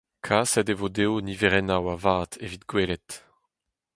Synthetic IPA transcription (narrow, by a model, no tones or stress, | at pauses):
kʰaːsɛdevod̪eoniveʁɛnawavaːt̪evit̪ɡweːlɛt̪